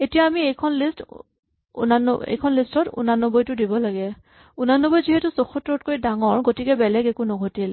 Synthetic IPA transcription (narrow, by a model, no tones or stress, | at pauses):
etijaːmiejkʰɔnlist | ṵnanɔḛjkʰɔnlistɔtṵnanːɔbɔjtʊdibɔlaɡɛ | unanːɔbɔjziɦetusoxutɹot̚koɹjdaŋɔɹɡotikɛbɛlɛɡɛkunɔɡʱotil